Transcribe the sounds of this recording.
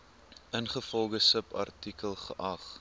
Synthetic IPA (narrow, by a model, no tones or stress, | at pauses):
ʔənχəfɔlˠɡəsəpɐ̰rtikəlˠχəʔɐχ